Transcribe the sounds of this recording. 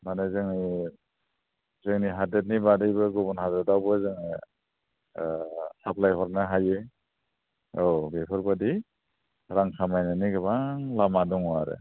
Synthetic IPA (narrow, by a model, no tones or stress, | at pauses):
manazɯŋni | zɯŋniɦadet̚nibadɯjbɯɡɔbɔnhadadawbɯzɯŋni | hapʰlajhɔɾnaɦaje | ɔbepʰɯɾbadi | ɾaŋkʰamajnɯniɡɯbaŋlamadɔŋwaɾɯ̰